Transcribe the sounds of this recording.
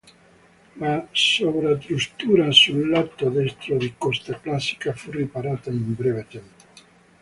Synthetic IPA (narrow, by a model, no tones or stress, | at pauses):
lasoβɾat̪ɾust̪uɾasulːat̪od̪est̪ɾoðikɔst̪aklasi̥kafuripaɾat̪aimbɾɛβet̪ɛmpo̥